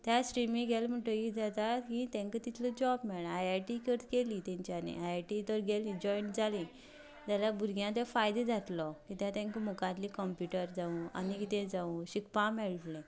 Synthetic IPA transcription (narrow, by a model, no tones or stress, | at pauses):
t̪jasʈɾimĩŋɡɛlm̤əʈəikd͡zat̪akĩt̪ɛ̃ŋkət̪it̪ʰlɔd͡ʑɔbmɛɭaajaʈikəɾt̪kelit̪ɛ̃ɲt͡ɕjanḛ̃ajʈit̪ɔɾɡelĩd͡ʑɔjɳʈd͡zalĩ | d͡ʑ̪alabuɾɡjãt̪ɛfajd̪ed͡zʱat̪lɔkit̪jãt̪ɛ̃ŋkəmukãt̪likəmpjuʈəɾd͡zaũa̰nikit̪ɛ̃d͡zaũɕikpamɛɭʈlɛ̃